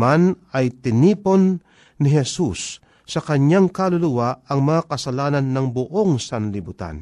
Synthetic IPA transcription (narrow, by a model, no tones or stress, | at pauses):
manɐjt̪ɪniːpo̞nː | ɪɦɛsusː | ɐkɐɲaŋkalʊlʊwaɐŋmɐŋakɐsɐlaːnɐnːɐŋbʊʔoŋsɐnlɪbʊt̪a̰n